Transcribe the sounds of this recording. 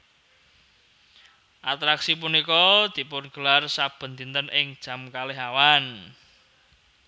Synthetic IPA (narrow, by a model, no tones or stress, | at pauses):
ʔat̪ɾaksip̬unikɔd̪̥i̤pʊnɡ̥ə̤larsab̥ə̤nt̪int̪ənʔɪŋd̥ʒ̥ä̤mkalɪɦawan